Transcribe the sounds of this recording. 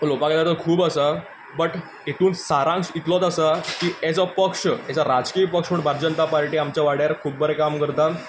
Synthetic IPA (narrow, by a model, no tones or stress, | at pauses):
lopakelat̪əɾkʰuːbəsa | bəʈ | et̪ʰuːnsaɾãŋsit̪lot̪asakiːed͡zapəkʂəet͡saɾad͡zkiːpəkʂpəɳbʱaɾd͡ʑənt̪apaɾʈiːamt͡ɕjaʋaɽ̤jaɾkʰuːb̚bʱəɾekamkəɾt̪at̪